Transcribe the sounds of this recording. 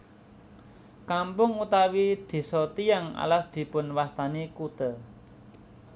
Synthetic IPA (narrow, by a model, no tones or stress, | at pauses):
kampʊŋut̪awid̪̥i̤sɔt̪ijaŋa̰lasd̪̥i̤pʊnwast̪anikut̪ə